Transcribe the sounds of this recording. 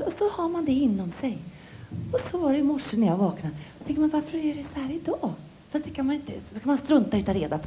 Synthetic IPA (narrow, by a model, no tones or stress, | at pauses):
ɔsɔhaɾmand̪ɛɪnːɔmsɛj | ɔsɔvaɾɛjɪmɔʂːənæɾjaːɡvɑːknat̪ʰɛŋt̪manvaɾfəɾɛɖɛsɔhæːɾɪd̪ɑː | fɾat̪kʰanmanɪnt̪əskamanst̪ɾɵnt̪aʉ̟t̪ɔɾeːd̪apʰ